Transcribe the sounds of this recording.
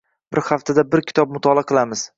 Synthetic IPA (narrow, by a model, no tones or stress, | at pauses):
bɪɾhaft̪ʰad̪abɪɾkʲʰɪ̥t̪ɒb̚mʊt̪ʰɒlˠaqʰɨlˠamɪz̥